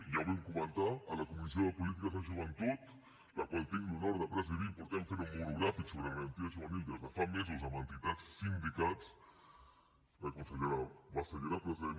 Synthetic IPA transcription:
jaβɛmkumənt̪aːləkumizioðəpulit̪̬ikəzaʒuβənt̪ut̪ | lakwalˠt̪iŋɡlunɔɾɐðəpɾəziβipuɾt̪ɛfeɾumbuɾuɣɾafiksoβɾəɣəɾənt̪iaʒuβənild̪ɾəzðəfamezolzamənt̪it̪at͡ssind̪ikat͡s | rəkunsəʎəɾawβasəʎəɾapɾəziðe

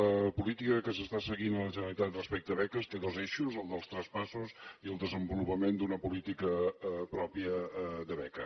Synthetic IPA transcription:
əpulit̪ikəkəsəst̪asəɣinələʒənəɾlit̪at̪rəspɛk̚t̪əβɛkəst̪eðozeʃuzəlˠd̪əlˠst̪ɾəspasusiəlˠd̪əzəmbulupəmend̪unəpulit̪ikəpɾɔpiəðəβɛkə

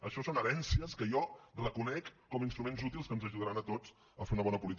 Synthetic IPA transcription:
əʃɔsonəɾɛnsiəskəjɔrəkunɛkːɔminst̪ɾumenzut̪ilˠskənzəʒuðəɾanət̪ot͡s | əfeɾunəβɔnəpulit̪

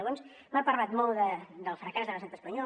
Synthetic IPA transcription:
ɣons | mapəɾlat̪mɔlˠd̪əd̪əlˠfɾəkazðələʒnat̪əspəɲɔ

